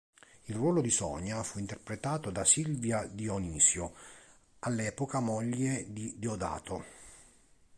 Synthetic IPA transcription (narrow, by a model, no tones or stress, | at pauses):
ilrwɔːlod̪isɔ̰ɲːafuint̪erpɾet̪aːt̪od̪asilvjad̪ioniːsjo | alːɛːpokamɔʎːed̪id̪iod̪a̰ːt̪ʰo